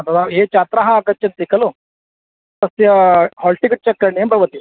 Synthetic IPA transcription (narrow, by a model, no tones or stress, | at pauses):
ɐt̪ɐt̪ʰaɦet͡ʃat̪ɾaɦɐːɡɐtt͡ʃɐnt̪ikɐlu | t̪ɐsjɐhɔlʈikɐt͡ʃɐkːɐɾɳembʱɐʋɐt̪i